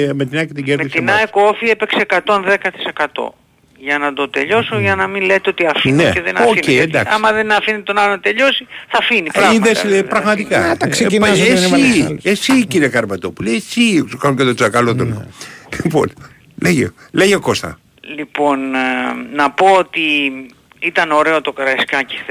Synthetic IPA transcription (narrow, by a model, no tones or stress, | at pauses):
met̪inɐket̪iɟemest̪inɐekoofiepe̞kseːkɐt̪o̞nðe̞kɐt̪i̥se̞kɐt̪o̰ | ʝɐnɐd̪ot̪e̞ʎo̞soʝɐnɐminlet̪eot̪iɐfineeðenɐocejend̪ɐkɐmɐðenɐfinit̪onɐlonɐt̪e̞ʎo̞siθɐfinipɾɐɣiðeslepɾɐɣmɐt̪ikɐɐkseinesiesiciɾiekɐɾmɐt̪opule̞jesisukɐnucet̪od͡zɐkɐlot̪olo̰lipo̞̰n | leʝe | leʝeoko̞st̪ɐ̰ | lipo̞nː | ɐpo̞ot̪i | it̪ɐno̞ɾe̞ot̪o̞kɾɐskɐci̥